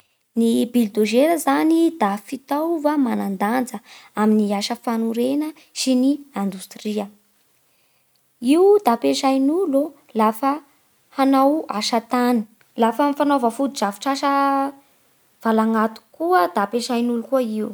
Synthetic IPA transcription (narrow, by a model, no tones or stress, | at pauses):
nibild̪oʒeɾəzanid̪̥afit̪awvamanand̪and͡zəaminiaʃəfanuɾenə | siniand̪ust̪riə | iwd̪apeʃajnulo | lafə | hanawaʃat̪ani̥ | lafəmifanovəfud̪izavi̥ʈ͡ʂaʃə | v̥alaŋɡat̪u̥kuəd̪apeʃajnulukuəiu